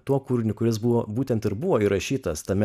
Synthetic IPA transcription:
t̪uɔkuːɾʲnʲʊkʊɾʲɪs̬bʊʋoːbuːt̪ʲɛnt̪ɪɾbʊʋoːiːɾɐʃʲiːt̪ɐst̪ɐmʲɛ

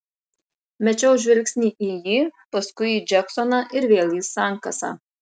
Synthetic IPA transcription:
mʲɛt͡ʃʲɛʊʒʲʋʲɪlʲksʲnʲiːʔijiːpɐskʊɪid͡ʒʲɛksɔnɐʔɪɾʋʲeːlʲˠjisːɑˑŋˑkɐsɑ̰ː

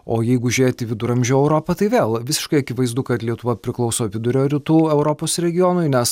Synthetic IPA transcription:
oːjɛɪɡʊʒʲeːt̪ʲɪʋʲɪd̪ʊɾɐmʲʒʲoːɛʊɾoːpɐt̪ɐɪʋʲeːlˠʋʲɪsʲɪ̥ʃkɐɪɐkʲɪʋɐɪzd̪ʊkɐt̪lʲiɛt̪ʊʋɐpʲɾʲɪklˠɐʊsoːʋʲɪd̪ʊɾʲoːɾʲɪt̪uːɛʊɾoːpoːsɾʲɛɡʲɪjoːnʊɪnʲɛs

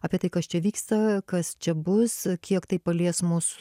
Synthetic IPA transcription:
ɑːpʲiɛt̪ɐɪkɐst͡ʃʲɛʋʲiːkst̪ɐkɐst͡ʃʲɛbʊskʲiɛkt̪ɐɪpɐlʲeɛsmus

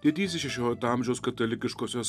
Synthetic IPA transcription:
d̪ʲiːd̪ʲiːsʲɪʃʲɛʃʲoːlʲɪk̚t̪amʲʒʲɛʊskɐt̪ɐlʲɪkʲɪʃkoːsʲoːs

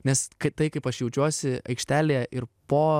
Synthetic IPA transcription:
nʲɛskɐɪt̪ɐɪkɐɪpɐʃjɛʊd͡ʒʲuɔsʲɪɐɪkʃʲt̪ʲæːlʲeːɛʔɪɾpoː

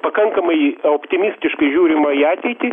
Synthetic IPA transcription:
pɐkɐŋkɐmɐɪoːpʲt̪ʲɪmʲɪsʲt̪ʲɪʃkɐɪʒʲuːɾʲɪmɐiɑːt̪ʲɛɪt̪ʲɪ

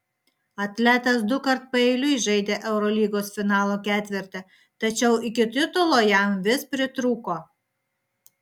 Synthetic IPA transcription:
ɐt̪ʲlʲɛt̪ɐsd̪ʊkɐɾt̪̚pɐɛɪlʲʊɪʒɐɪd̪ʲeːʔɛʊɾɔːlʲiːɡoːsfʲɪnɑːlˠoːkʲæːt̪ʲʋʲɪɾʲt̪ʲɛ | t̪ɐt͡ʃʲɛʊʔɪkʲɪt̪ʲɾʲɪt̪ʊlˠoːjæˑmʋʲɪspʲɾʲɪt̪ɾuːkoː

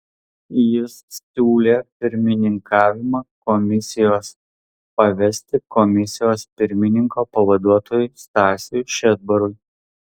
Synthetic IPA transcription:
jɪsːʲuːlʲeːpʲɪɾʲmʲɪnʲɪŋkɑːʋʲɪmɐːkɔmʲɪsʲɪjoːs | pɐʋʲɛsʲt̪ʲɪkɔmʲɪsʲɪjoːspʲɪɾʲmʲɪnʲɪŋkoːpɐʋɐd̪uɔt̪oːjʊst̪ɑːsʲɪjuˑʃʲɛd̪̚bɐɾʊɪ

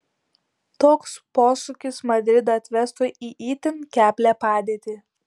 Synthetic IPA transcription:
t̪oːkspoːsʊkʲɪsmɐd̪ʲɾʲɪd̪ɐɐt̪ʲʋʲɛst̪oʔiːʔiːt̪ʲɪnkʲæːpʲlʲæpɑːd̪ʲeːt̪ʲiː

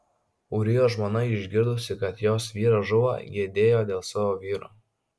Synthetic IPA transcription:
ʊɾʲɪjoːʒmoːnɐɪɪʒʲɡʲɪɾd̪ʊsʲɪkɐt̪joːsʋʲiːɾɐʒʊʋo̰ːjʲiɛd̪ʲeːjoːd̪ʲeːlˠsɑʋoːʋʲiːɾṵː

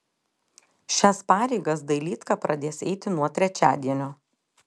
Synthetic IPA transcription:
ʃʲɛspɑːɾʲɛɪɡɐs̬d̪ɐɪlʲiːt̪kɐpɾɐd̪ʲeːsɛ̰ɪt̪ʲɪnuɔt̪ʲɾʲɛt͡ʃʲæːd̪ʲiɛnʲoː

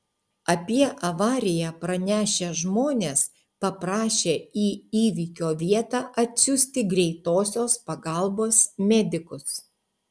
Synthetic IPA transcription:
ɐpʲiɛʔɐʋɑːɾʲɪjæpɾɐnʲæːʃʲeːʒmoːnʲeːs | pɐpɾɑːʃʲeːiːiːʋʲiːkʲoːʋʲiɛt̪ɑːʔɐt̪ʲsʲʊsʲt̪ʲɪɡɾʲɛɪt̪oːsʲoːspɐɡɐˑlˠboːsmʲɛd̪ʲɪkʊs

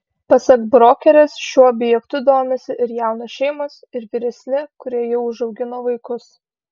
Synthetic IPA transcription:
pɐsɐkbɾoːkʲɛɾʲɛsʃʲuɔɐbʲɪjɛkt̪ʊd̪oːmʲɛsʲɪʔɪɾjæˑʊnɐʃʲɛɪmɐsɪɾʋʲiɾʲɛsʲnʲɪkʊɾʲiɛjɛʊʊʒɒʊɡʲɪnoːʋɐɪkʊs

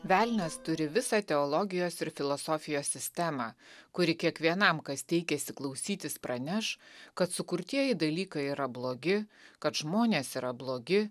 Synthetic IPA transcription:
ʋʲæˑlʲnʲɛst̪ʊɾʲɪʋʲɪsɑːt̪ʲɛɔlˠɔɡʲɪjoːsɪɾfʲɪlˠɔsɔːfʲɪjoːsʲsʲɪsʲt̪ʲɛmɑːkʊɾʲɪkʲiɛkʋʲiɛnɐmkɐst̪ʲɛɪkʲɛsʲɪklˠɐʊsʲiːt̪ʲɪspɾʔɐnʲɛʃkɐt̪sʊkʊɾʲt̪ʲiɛjɪd̪ɐlʲiːkɐɪiːɾɐblˠoːɡʲɪkɐt̪ʒmoːnʲeːsiːɾɐblˠoːɡʲɪ

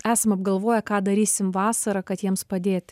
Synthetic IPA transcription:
æːsɐmɐb̚ɡɐlˠʋoːjɛkɑːd̪ɐɾʲiːsʲɪmʋɑːsɐɾɐkɐt̪jiɛmspɐd̪ʲeːt̪ʲ

